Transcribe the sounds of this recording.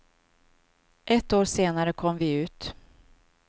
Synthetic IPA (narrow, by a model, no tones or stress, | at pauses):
ʔɛt̪ːoːʂeːnaɾəkʰɔmːvɪʉ̟ːt̪